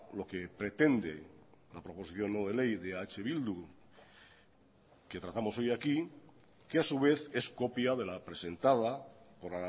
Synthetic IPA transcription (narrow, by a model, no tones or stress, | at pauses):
lo̞ke̞pɾe̞t̪e̞nd̪e̞̰lapɾo̞po̞siθjo̞nːoð̞e̞le̞jðeat͡ʃe̞β̞ild̪u | ke̞t̪ɾat̪amo̞so̞jaki | keasuβe̞θe̞sko̞pjaðe̞lapɾe̞se̞nt̪að̞apo̞ɾa